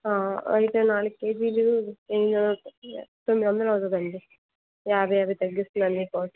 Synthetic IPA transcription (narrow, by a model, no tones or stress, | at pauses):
aːɐ̰jit̪eːnaːlɯeːd͡ʒilueɳːiɐnɐt̪omːid̪ʋɐnd̪ɐlɐt̪ɐd̪ɐɳɖi | jaːbʱɐjaːbʱɐjt̪ɐɡːist̪und̪ɐnːipoːʈ